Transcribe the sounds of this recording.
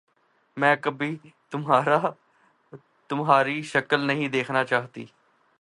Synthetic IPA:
mɛ̃ːkəbiːt̪ʊmɦaːɾaː | t̪ʊmɦaːɾiːʃəkəlnəɦĩːd̪eːkʰnaːt͡ʃaːɦt̪ḭː

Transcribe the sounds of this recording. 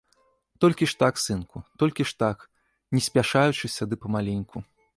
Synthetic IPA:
t̪ɔlʲkʲiʂt̪aksɨnkʰut̪ɔlʲkʲiʂt̪ak | nʲɛsʲpʲaʂajut͡ʂɨsʲad̪ɨpɐmalʲinʲkʰu

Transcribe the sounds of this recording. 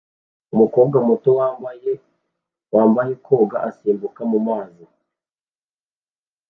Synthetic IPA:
umuko̞ːβɡamutowaːmbaje | waːmbajekʰoːɡa̰ʔasiːmbukamumaːzi

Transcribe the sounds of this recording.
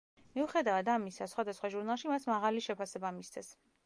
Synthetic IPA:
miuχɛd̪avad̪amisasχwad̪asχwaʒuɾnalˠʃimasmaʁaliʃɛpʰasɛbamist̪sʰɛs

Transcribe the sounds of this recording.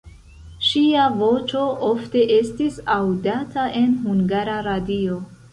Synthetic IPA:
ʃiavo̞t͡ʃo̞ʔo̞fte̞ʔe̞stisawdatʰaʔe̞nɦuŋɡaɾaɾadio̞

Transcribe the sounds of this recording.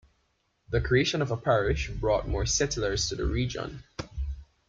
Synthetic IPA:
ðəkʰɹ̥ieɪʃə̃nʌvəpʰæɹɪʃbɹɔt̚mɔːɹsɛtlə˞z̥tʰɨðə̰ɹid͡ʒə̰̃n

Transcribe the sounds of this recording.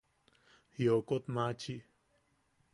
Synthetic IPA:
jokot̪̚mat͡ɕʰiʔ

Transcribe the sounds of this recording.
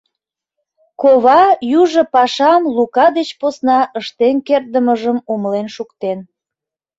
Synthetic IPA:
koβɑjuʒə̆pɑʃɑmlukɑd̪et͡ɕposnɑʔəʃt̪enkerd̪əməʒəmuməlenʃukt̪en

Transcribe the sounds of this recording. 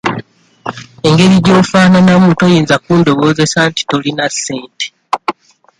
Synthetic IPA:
e̞ŋɡe̞ɾiɟo̞ːfaːnanamuːto̞jiːnzakuːndo̞βo̞ːze̞santi̥to̞linasːe̞ːnte̥

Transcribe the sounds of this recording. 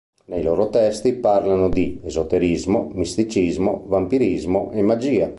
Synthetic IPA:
nejloːɾot̪ɛst̪ipaɾlanod̪iezot̪eɾizmomist̪it͡ʃizmovampiɾizmoʔemad͡ʒiːa

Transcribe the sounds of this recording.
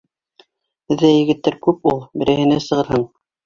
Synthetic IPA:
hɘ̆ðːæjɘ̆ɡɘ̆t̪ːæɾkʉpulˠbɘ̆ɾɘ̆hɘ̆næsɤ̆ʁɤ̆ɾhɤɴ

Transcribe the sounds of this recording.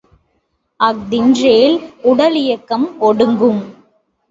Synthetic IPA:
ɐk̚d̪ɪndreːlʊɽɐlɪjɐkːɐmɔɽɯŋɡɯm

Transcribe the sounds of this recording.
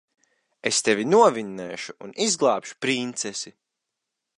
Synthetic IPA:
est̪evʲinuɔvinːɛːʃuːnizɡlˠaːpʃu̥pɾint̪sɛsi

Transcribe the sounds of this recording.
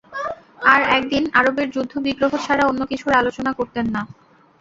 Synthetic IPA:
aɾɛk̚d̪inaɾobeɾd͡ʑud̪ʱːobiɡɾoɦot͡ɕʰaɾaonːokit͡ɕʰuɾalot͡ɕonakoɾt̪enːa

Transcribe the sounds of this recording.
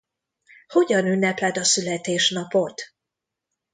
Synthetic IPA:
ho̞ɟɒnynːɛplɛd̪ɒsylɛt̪eːʃnɒpo̞t̪

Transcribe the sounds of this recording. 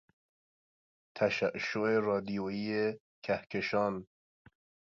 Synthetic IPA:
t̪ʰæʃæʔʃːoʔerɒːd̪ijoiːe | cʰæhkʰeʃɒːn

